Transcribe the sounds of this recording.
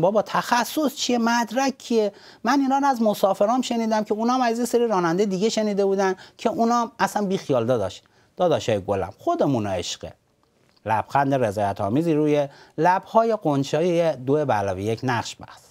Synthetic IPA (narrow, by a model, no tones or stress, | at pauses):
bɒːbɒːt̪ʰæxæsːost͡ʃʰiemæd̪ɾækʲʰːije | mæniːnɒːɾɔæzmosɒːfe̞ɾɒːmʃe̞niːd̪æmcʲʰeuːnɒmæzjeseɾiːɾɒːnænd̪ejed̪iɡeʃe̞niːd̪e̞buːd̪æncʲʰe̞ʔunɒːmæsænbiːxijɒːld̪ɒd̪ɒ̰ʃ | d̪̥ɒːd̪ɒʃɒːjeɡolæ̰mxod̪emunḛʃɢ̥ḛ | læ̰b̥xænd̪eɾezɒːjæt̪ʰɒ̰ːmiːziːɾuːjelæbhɒːje̞ɡont͡ʃɒːijed̪oebæ̰lɒːvijecʰnæχʃbæ̰hs